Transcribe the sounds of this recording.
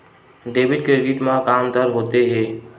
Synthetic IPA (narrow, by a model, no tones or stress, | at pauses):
ɖeːʋɪɖkɾeɖɪʈmãkaːmd̪əɾɦoːt̪eɦɛː